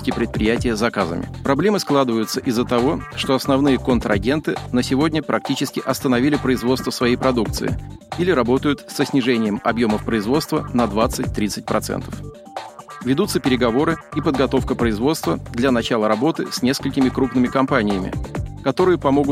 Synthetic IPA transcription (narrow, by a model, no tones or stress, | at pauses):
tʲɪpɾʲɪt̪̚pɾʲɪjætʲɪjəzɐkazə̰mʲɪ̰pɾɐblʲe̞mɨsklˠad̪ɨvəjʊt̪səʔɪzːət̪ɐvo̞ʂt̪o̞ɐsnɐvnɨjəkont̪ɾɐɡʲe̞nt̪ɨnəsʲɪvo̞dʲnʲəpɾʔɐk̚tʲit͡ɕɪskʲɪʔɐst̪ənɐvʲilʲɪpɾəɪzvost̪vəsvɐjejpɾɐd̪uk̚t̪sɨ̰ɪ̰ilʲɪɾɐbo̞t̪əjʊt̪səsʲnʲɪʐɛnʲɪjəmɐ̰bjo̞məfpɾəɪzvo̞t̪st̪vənɐd̪vat̪sɨt̚ʲt̪ɾʲit̪sɨtʲpɾʔɐt̪sɛ̰nt̪ə̥f | vʲɪd̪ut̪sːəpʲɪɾʲɪɡɐvo̞ɾɨipəd̪ɡɐt̪o̞fkəpɾəɪzvo̞t̪st̪vəd̪lʲanɐt͡ɕalˠəɾɐbo̞t̪ɨsʲnʲe̞skəlʲkʲɪmʲɪkɾupnɨmʲɪkɐmpanʲɪjəmʲɪ̰kɐt̪o̞ɾɨjəpɐmo̞ɡʊ